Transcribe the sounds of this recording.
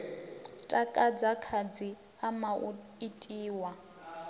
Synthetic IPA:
tʼakʼad͡zakʰad͡zi | ama | itʼiːwa

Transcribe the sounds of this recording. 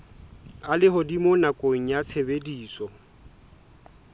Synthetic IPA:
alɪɦʊdimonakʼoŋ̩jat͡sʰebediːsɔ

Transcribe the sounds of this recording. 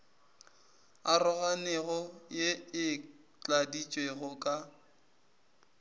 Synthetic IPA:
arʊɣanɛɣɔjeɪ | t͡ɬʼadit͡ʃʼweɣʊkʼa

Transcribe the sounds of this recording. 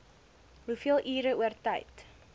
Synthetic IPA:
ɦufiəlˠʔiːɾəuərtɐjt

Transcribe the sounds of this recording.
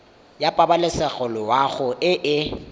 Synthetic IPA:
japʼabalɪsɛɣɔlɔwaχʊʔɪʔɪ

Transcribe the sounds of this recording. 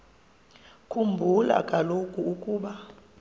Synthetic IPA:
kʰʼumbʱula̰kʼalokʼuukʼuːɓa

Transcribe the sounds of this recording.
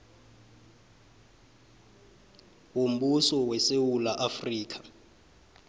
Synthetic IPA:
wom̩ɓusɔwɛsewulaʔafriːkʰḁ

